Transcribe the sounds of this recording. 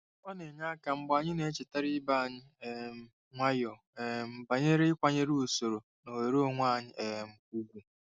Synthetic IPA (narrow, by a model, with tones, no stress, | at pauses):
kʷa˦ne˨ɲa˦ka˨m̩˦ɡ͡ba˨ɲɪ˦ne˨˦t͡ʃɪ˨ta˦ɾi˦ba˦˨ɲɪ˦e˨m̩˦ | ŋʷa˦jɔ˨ | e˨m̩˨ba˨ɲe˦ɾe˦ɪ˦kʷa˨ɲe˦ɾi˦u˨so˨ɾo˨ | no˨we˨ɾo˦o˦˨ŋʷa˦˨ɲɪ˦ʔe˨m̩˨u˦ɡʷu˨